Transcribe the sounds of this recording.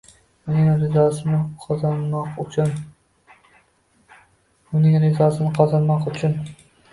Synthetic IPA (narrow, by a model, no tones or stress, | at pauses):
ʊnɪŋɾɪzɒsɪnɪqʰɒzɑnmɑqʊt͡ʃʰʊn | ʊnɪŋɾɪzɒsɪnɪqʰɒzɑnmɒqʊt͡ʃʰʊn